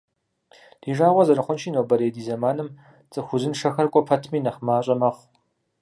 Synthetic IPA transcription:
d̥iːʒaːʁʷɔzɐɾɨχʷʊnʃiːnowbɐɾeːdiːzɐmaːnɨm | t͡sʼɨxʷʊzɨnʂɐxɐrkʷʼɔpʰɐtʰmiːnɐχmaːɕʼɐmɐχʷ

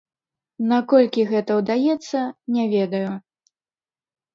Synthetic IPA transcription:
nakɔlʲkʲiɣɛt̪ɐwd̪ajɛt̪sːɐnʲavʲɛd̪ɐju

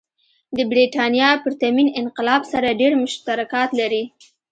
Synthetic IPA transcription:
d̪əbɾiʈɑnjɑpəɾt̪aminɪnqɪlɑbsaɾaɖeɾmʊʃt̪aɾakɑt̪laɾi

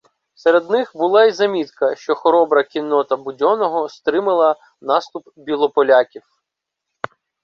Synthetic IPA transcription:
seɾed̪nɪxbʊlˠɑizɐmʲit̪kɐʃt͡ʃɔxɔɾɔbɾɐkʲinːɔt̪ɐbʊdʲɔnɔɦɔst̪ɾɪmɪlˠɐ | nɑst̪ʊpbʲilˠɔpɔlʲakʲiw

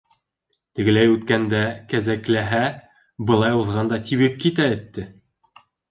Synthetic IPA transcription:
t̪ɘ̆ɡɘ̆læjʉt̪kænd̪ækæzæklæɦæ | bɤ̆lˠɑjuðʁɑnd̪ɑt̪iβɘp̚kit̪æɵ̆t̪ːɘ

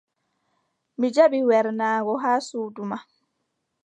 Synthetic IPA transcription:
mid͡ʒaɓiwɛɾnaːɡɔɦaːsuːduma

